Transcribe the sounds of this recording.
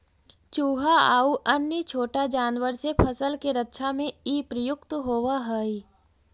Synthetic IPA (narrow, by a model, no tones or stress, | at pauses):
t͡ʃuːɦaa̰ːuʔənjət͡ʃʰoːʈad͡ʒaːnʋəɾsepʰəsəlkeɾətːʃʰamẽiːpɾəjʊkt̪ɦoːʋaɦəi